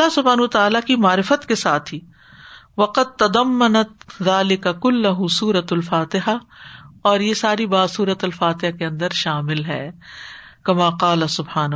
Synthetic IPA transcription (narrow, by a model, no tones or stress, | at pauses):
ɐlːaɦsʊbɦaːnɐɐt̪aaːlakimaːɾɪfət̪kesaːt̪ʰɦi | ʋɐqɐd̪̚t̪ɐd̪ɐmːɐnɐt̪ðaːlɪkɐkʊlːɐɦʊsuːɾɐt̪ɐlfaːt̪ɪɦa | ɔːɾjesaːɾibaːd̪suːɾət̪ɐlfaːt̪ɪɦakeɐ̃nd̪əɾʃaːmɪlɦɛ̰ː | kɐmaːqaːlɐsʊbhaːn